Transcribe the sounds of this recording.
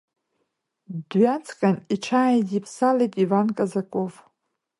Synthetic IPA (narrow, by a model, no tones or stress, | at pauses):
dɥat͡sʰʼkʼaniʈ͡ʂʰaːjzipʰsalejtʼivankʼazakʼo̞v